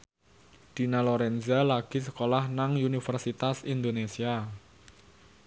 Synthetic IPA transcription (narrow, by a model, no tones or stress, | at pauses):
d̪̥i̤naloɾɛnzalaɡ̥i̤s̬əkolahnaŋunifərsit̪asind̪onesia